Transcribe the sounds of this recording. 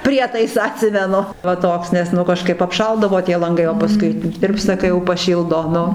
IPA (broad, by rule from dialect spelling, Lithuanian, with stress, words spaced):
ˈpʲrʲiɛtɐɪsɑː ɐˈtʲsʲɪmʲɛnʊ ʋɐ ˈtoːks nʲɛs ˈnʊ kɐˈʃkɐɪp ɐpˈʃɐlˠdɐʋoː tʲiɛ lˠɐŋˈɡɐɪ oː pɐˈskʊɪ ˈtʲɪrpstɐ kɐɪ jɛʊ pɐˈʃʲiːlˠdoː ˈnʊ